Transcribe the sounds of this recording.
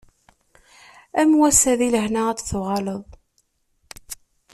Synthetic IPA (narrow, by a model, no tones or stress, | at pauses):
æmwæsæðiləhnaæt͡sːθʊʁɑləðˤ